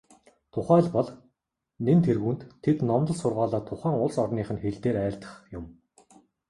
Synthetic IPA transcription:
t̪ʰʊχæːɮpɔɮ | nent̪ʰerɣuːnt̪ʰːet̪nɔmt̪ɞ̆ɮsʊrʁaːɮaːt̪ʰʊχæːŋʊɮsɔrniːχɘ̆nxeɮt̪eːɾæːɬt̪ə̥̆χjʊm

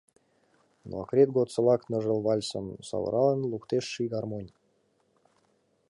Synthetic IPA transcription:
no̰ɑ̰kɾʲet̪̚ɡot̪sə̆lɑknə̆ʒə̆lˠβɑlʲso̰nsɑ̰βə̰ɾʔɑlənlˠukt̪eʃːiɣɑrmonʲ

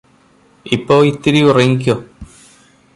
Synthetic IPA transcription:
ipːo̞ːit̪ːiɾiurɐŋːik̬ʲːo

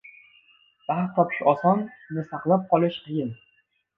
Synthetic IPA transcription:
b̥aht̪ʰɒpʰɪ̥ʃɒsɒnːɪsaqlˠap̚qɒlˠɪʃqʰɨjɪn

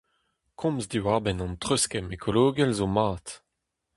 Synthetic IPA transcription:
kʰɔ̃mzd̪iwaʁbɛnɑ̃nt̪χøskɛmekʰoloːɡɛlzomaːt̪

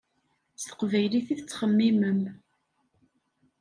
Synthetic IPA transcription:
st̪ə̥qvæjliθiθət͡sːχəmːiməm

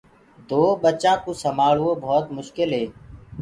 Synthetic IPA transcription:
d̪oːɓət͡ʃãːkoːsəmaːɭːoːbʱɔːt̪mʊʃkɪlɦeː

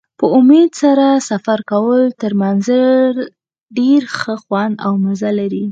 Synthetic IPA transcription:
pəʊmed̪saɾasafaɾkawəlt̪əɾmanzaɾ | ɖeɾxəxwand̪awmazalaɾi

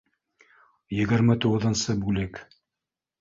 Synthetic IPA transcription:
jɘ̆ɡɘ̆ɾmɘt̪uʁɤ̆ðɤ̆nsɤbʉlɘk

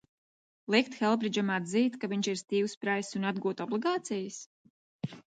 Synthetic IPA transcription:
lˠik̚t̪xɛlˠbɾid͡ʒamad̪ziːt̪kaviɲʲt͡ʃiɾst̪iːwspɾajsunad̪̚ɡuɔt̪ɔblˠiɡɑːt̪sijəs

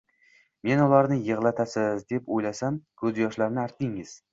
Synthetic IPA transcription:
me̞nʊlaɾnɪjɨʁlˠat̪ʰasɪzd̪e̞pojlasamkʰɵzjɒʃlaɾnɪaɾt̪̚d̪ɪŋɪz̥

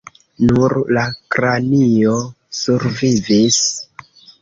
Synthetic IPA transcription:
nuɾlakɾanio | suɾvivis

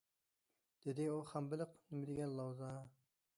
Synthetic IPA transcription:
d̪̥ɪd̪ɪuχæmbɪlɪqnɪmɪd̪ɪɡʲɛnlˠɑwzɑ

